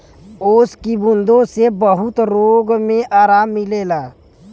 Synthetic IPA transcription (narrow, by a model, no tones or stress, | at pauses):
oːskibʊnd̪õsebəɦʊt̪ɾoːɡmẽʔaːɾaːmːɪleːlaː